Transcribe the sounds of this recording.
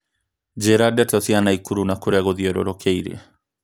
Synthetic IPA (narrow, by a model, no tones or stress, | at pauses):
d͡ʒeɾadɛtɔsianaikuɾunakoɾeaɣoðiɔɾo̰ɾokʰɛiɾ̰a̰